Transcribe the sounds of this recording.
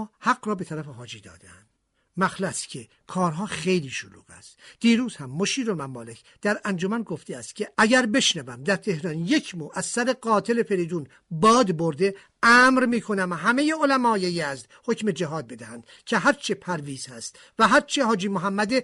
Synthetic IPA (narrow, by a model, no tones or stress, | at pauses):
hæɡɾɒːbet̪ʰæɾæfeɦɒːd͡ʒiːd̪ɒ̰ːd̪eæ̰nd̥̪ | mæxlæst̪cʲʰe | kʰɒːɾɦɒːχe̞jliːʃolṵːɡ̥æ̰st̪d̪̥iːɾuːzhæmːoʃiːɾolmæmːɒːle̞cʰ | d̪̥æɾænd͡ʒomænɡoft̪ʰeæst̪̚cʲʰe̞æɟæɾbe̞ʃnævæmd̪æɾt̪ʰe̞hɾɒːnje̞cʰmuːʔæzsæɾe̞ɡɒːt̪ʰe̞le̞fe̞ɾiːd̪uːn | bɒːd̪boɾd̪e | æːmɾmiːkʰo̞næmɦæme̞jeolæmɒːjejæzd̪hocmed͡ʒæɦɒːd̪̚be̞d̪æhænd̪̥ | cʰe̞ɦæɾt͡ʃʰepʰæɾviːz̥hæst̪ | væɦæɾt͡ʃʰehɒːd͡ʒiːmoɦæmːæd̪e